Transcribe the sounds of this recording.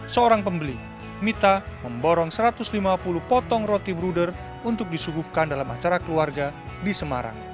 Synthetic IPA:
səoɾaŋpəmbəli | mit̪aməmbɔɾɔŋsəɾat̪ʊslimapuluhpɔt̪ɔŋɾɔt̪ibɾudər | unt̪ʊk̚disuɡuhkandalama̰t͡ʃaɾakəluarɡa | disəma̰ɾa̰ŋ

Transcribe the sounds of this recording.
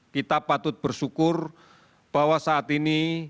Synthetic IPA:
kit̪apat̪ʊt̪̚b̥ərsukʊr | b̥a̤wasaːt̪ini

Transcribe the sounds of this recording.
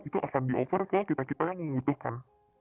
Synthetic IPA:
it̪uʔakandiʔofərkalakit̪akit̪akanŋəudʊhkan

